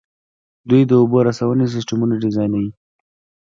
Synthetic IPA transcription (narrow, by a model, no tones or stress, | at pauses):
d̪ujd̪əuboɾasawənes̬ɪsʈamunaɖɪzɑjnawi